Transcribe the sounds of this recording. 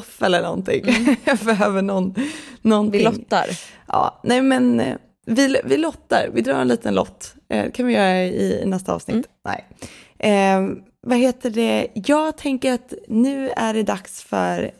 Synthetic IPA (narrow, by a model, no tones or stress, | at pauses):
fɛlːəɳɔ̰nt̪ʰɪ̰ŋbɛɦœːvəɳɔnːɔnɪɔt̪ːa̰ɾʔɑ̰ːnɛɪmɛn | vɪvɪlɔt̪ːa̰ɾvɪd̪ɾɑ̰ːɾɛ̰nliːt̪ʰənlɔ̰t̪ː | d̪ɛkʰanvɪjœːɾaɪnɛst̪aɑ̰ːvsnɪt̪ːnɛ̰ɪʔ | vaɦeːt̪əɖɛjɑːɡt̪ʰɛŋkəɾat̪nʉ̟ːæɖɛd̪aksfœ̰ɾ